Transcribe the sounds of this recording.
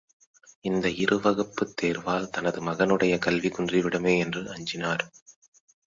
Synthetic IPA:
ɪnd̪ɐɪɾɯʋɐɣɐpːɯt̪ːeːɾʋaːlt̪ɐnɐðɯmɐɣɐnɯɽɐjɐkɐlʋikʊndriʋɪɽɐmeːɛndrɯʔɐɲd͡ʒɪnaːɾ

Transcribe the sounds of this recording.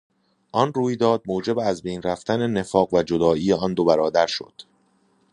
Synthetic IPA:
ʔɒnruːjd̪ɒːd̪̚moːd͡ʒe̞beæzbe̞jnræft̪ænene̞fɒːɣvæd͡ʒod̪ɒːiːeɒnd̪obæɾɒːd̪æɾʃo̞̰d̪̥

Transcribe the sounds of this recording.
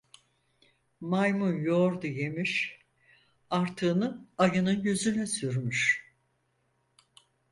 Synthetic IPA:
majmunjoɾd̪uje̞miʃ | aɾt̪ʰɯːnɯajɯnɯnjyzynɛsyɾmyʃ

